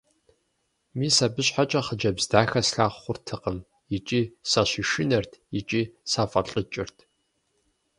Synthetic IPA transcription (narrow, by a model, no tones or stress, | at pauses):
miːsabɨɕħat͡ʃʼɐχəd͡ʒɐbzdaːxɐsɬaːχχʷʊrtʰɨqəm | jɪt͡ʃʼiːsɐɕiʃɪnɐrtʰjɪt͡ʃʼiːsaːfɐɬʼɨt͡ʃʼɪrtʰ